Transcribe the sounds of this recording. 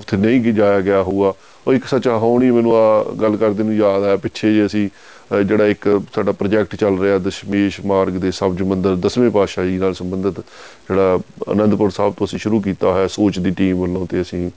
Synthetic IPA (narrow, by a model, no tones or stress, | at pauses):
t̪ʰenəĩːd͡ʒaːjaːɡɪjaːɦuːaː | oːɪksət͡ʃaːɦoːɳ̃iːmɛ̃ːnũːaːɡəlkəɾd̪eːnũːjaːd̪ɛːpɪtːʃʰeːd͡ʒeːəsĩː | d͡ʒeːɽaːɪksaːɖaːpɾəːd͡ʒɛːk̚ʈt͡ʃəlɾəaːd̪əʃmeːʃmaːɾɡd̪eːsəbd͡ʒmənd̪əɾd̪əsmẽːpaːʃaːd͡ʒiːnaːlsəmbənd̪ət̪d͡ʒeːɽaːə̰nə̃nd̪pʊɾsaːb̚t̪õːəsĩːʃʊɾuːk̬iːt̪aːɦɛːsoːt͡ʃd̪iːʈiːmʋəlːõːt̪eːəsĩː